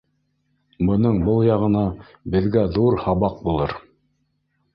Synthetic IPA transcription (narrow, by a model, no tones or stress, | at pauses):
bɤ̆nɤɴbɤlˠjɑʁɤ̆nɑ | bɘ̆ðɡæðuɾhɑβɑq̚bulˠɤɾ